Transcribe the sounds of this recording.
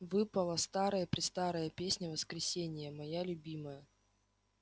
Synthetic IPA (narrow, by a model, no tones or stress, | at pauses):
vɨpəlˠəst̪aɾəjəpɾʲɪst̪aɾəjəpʲesʲnʲɪvəskɾʲɪsʲenʲɪjəmɐjalʲʊbʲiməjə